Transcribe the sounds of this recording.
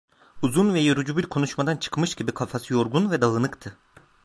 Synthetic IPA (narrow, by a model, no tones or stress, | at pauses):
uzunvɛjøɾud͡ʒubiɾkʰo̞nuʃmad̪ant͡ʃʰɯ̥kmɯʃɟ̥ibikʰafasɯjo̞ɾɡunvɛd̪alˠɯnɯkt̪ʰɯ